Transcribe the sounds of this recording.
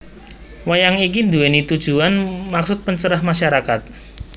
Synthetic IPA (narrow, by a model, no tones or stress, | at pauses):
wajaŋik̬ind̪uɛnit̪ud̥ʒ̥uanmaksʊt̪̚pəɲt͡ʃəɾahmaʃaɾakat̪̚